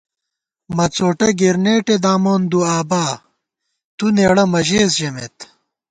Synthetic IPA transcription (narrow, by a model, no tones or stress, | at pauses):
mɐt͡soːʈɐɡeɾneːʈed̪aːmoːnd̪uaːbaː | t̪uneɽɐmɐʑeːsʑɐmḛt̪